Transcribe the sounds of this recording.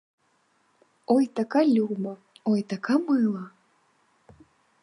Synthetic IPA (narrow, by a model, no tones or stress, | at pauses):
ojt̪akalʲumɐ | ojt̪akamɨlˠɐ